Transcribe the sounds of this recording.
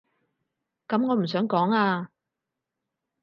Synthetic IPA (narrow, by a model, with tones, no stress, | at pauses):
kɐ˨˥mŋɔː˨˧m̩˨˩sœː˨˥ŋkɔː˨˥ŋaː˧